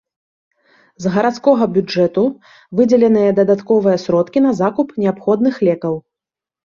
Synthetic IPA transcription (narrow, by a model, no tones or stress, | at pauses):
zɣɐɾat̪skɔɣɐbʲud͡ʐɛt̪u | vɨd͡zʲɛlʲɛnɨjɐd̪ɐd̪at̪kɔvɨjɐsɾɔt̪kʲinɐzakupnʲɛapxɔd̪̚nɨxlʲɛkɐw